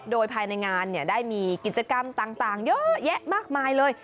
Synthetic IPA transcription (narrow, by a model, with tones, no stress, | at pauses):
doː˧jpʰaː˧jna˧jŋaː˧nːi˥˩ɐdaː˥˩jmiː˧ki˨˩t̪̚t͡ɕa˧ka˧mt̪aː˨˩ŋt̪aː˨˩ŋjɤ˦˥jɛ˦˥ʔmaː˥˩k̚maː˧jlɤː˧j